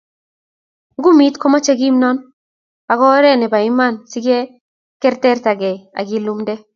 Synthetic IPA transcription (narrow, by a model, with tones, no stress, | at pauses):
ɡu˦mi˦tkɔ˦ma˦t͡ʃe˦ɡi˦mnɔ˦n | a˨ɡɔ˦ɾɛ˦nɛ˨ba˨ɪ˦ma˦˨nsi˦ɡe˦ | kɛ˦ɾtɛ˦rta˨ɡɛ˨a̰˨ɡɪ˨˦lu˦mdɛ˦